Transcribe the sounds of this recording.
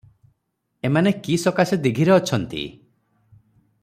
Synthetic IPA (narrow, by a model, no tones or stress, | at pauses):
emanekisɔkased̪eɡʱiɾeɔt͡ʃʰɔnt̪ḭ